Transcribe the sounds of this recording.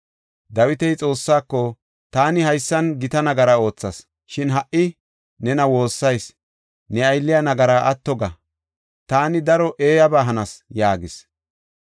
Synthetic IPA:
d̪ɐwɪt̪ɛjt͡sʼo̞ːsːaːkːɔ | t̪aːnɪhɐjsːɐnɡɪt̪ɐnɐɡɐɾao̞ːt͡sːɐs | ʃɪnɦɐʔɪ | nɛnɐwo̞ːsːɐjs | nɛɐjlːɪjanɐɡɐɾaʔɐt̪ːɔɡɐ | t̪aːnɪd̪ɐɾɔʔeːjɐbaːɦɐnɐsjaːɡɪs

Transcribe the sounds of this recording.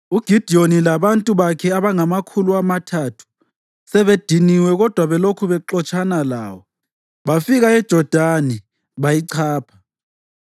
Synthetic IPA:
uɡ̥ʱid̥ʱionilaβantʼuβakʰɛaβaŋamakʰuluamatʰatʰu̥ | sɛβed̥ʱiniwɛɣɔd̥ʱwaβɛlokʰuβɛǃɔt͡ʃʼʰanala̰ːwɔ | βafiɣaɛd̥ʒ̥ʱɔd̥ʱani | βajiǀʰaːpʰḁ

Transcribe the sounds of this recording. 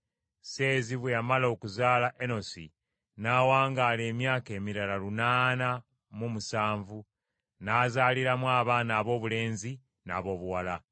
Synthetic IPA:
se̞ːziβwejamalo̞ːkuzaːlaʔeno̞sḭ | naːwaːŋɡaːle̞ːmjaːke̞ːmiɾalalunaːna | mumusaːɱvu | naːzaːliɾamwaːβaːnaːβo̞ːβule̞ːnzi | na̰ːβo̞ːβuwala

